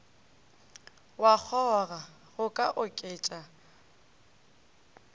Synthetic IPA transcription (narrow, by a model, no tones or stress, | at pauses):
wak͡xʰɔɣa | ɣʊkʼaʔʊkʼɪːt͡ʃʼa